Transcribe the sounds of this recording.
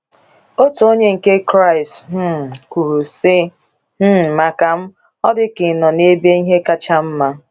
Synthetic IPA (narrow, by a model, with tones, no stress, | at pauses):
o˦to˨o˦ɲe˦ŋ̩˨ke˦kɾa˦˨ɪ˨stm̩˦˨ku˨ɾu˨sɪ˦ | m̩˦˨ma˨ka˨m̩˦ | ɔ˦dɪ˦kɪ˨nɔ˨ne˦be˦i˦ɦe˦ka˦t͡ʃa˦m̩˦ma˦